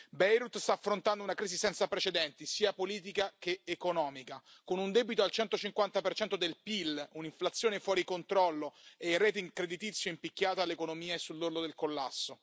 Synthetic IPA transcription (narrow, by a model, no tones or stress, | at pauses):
bɛjɾut̪st̪aːfːɾont̪and̪ounakɾiːzisɛnt̪sapɾet͡ʃed̪ɛnt̪isiːapoliːt̪̬ikak̟eːkonɔːmika | konund̪ɛbit̪oalt͡ʃɛnt̪ot͡ʃiŋkwant̪apert͡ʃɛnt̪od̪elpiluniɱflat̪sːjoːnefwɔːɾikont̪ɾɔlːoeirɛːt̪̬eiŋkɾed̪it̪it̪sːjoimpikʲːaːt̪alːekonomiːaesːulːurd̪od̪elkolːa̰sːo